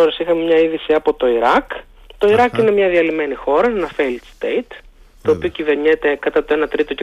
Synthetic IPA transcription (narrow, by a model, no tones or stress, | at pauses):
oɾesixɐmemɲɐiðisiɐpot̪o̞iɾɐk | t̪o̞iɾɐkine̞mɲɐðiɐlime̞nixo̞ɾɐenɐfelt̪st̪ejt̪ | t̪ːo̞ːpiocive̞ɾɲet̪e̞kɐt̪ɐt̪o̞e̞nɐt̪ɾit̪o̞ce